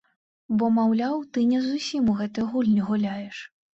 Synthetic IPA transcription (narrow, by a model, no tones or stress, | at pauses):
bɔmawlʲawt̪ɨnʲɛzusʲimuɣɛt̪ɨjɣulʲnʲiɣulʲajɛʂ